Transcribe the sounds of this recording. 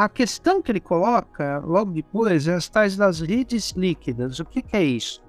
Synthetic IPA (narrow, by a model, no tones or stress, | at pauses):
ɐkest̪ɐ̃w̃kɪlɪkolɔkɐlɔ̃ɡd̪ɪpojzɛɐst̪ajzd̪ɐzlid͡ʒɪzlikid̪ɐzʊkekɛist̪ʊ